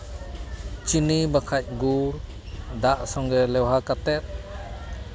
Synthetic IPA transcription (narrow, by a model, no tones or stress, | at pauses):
t͡ʃinibakʰac̚ɡuɾ | d̪aʔsɔŋɡɾɛlɛwɦakat̪ɛt̪̚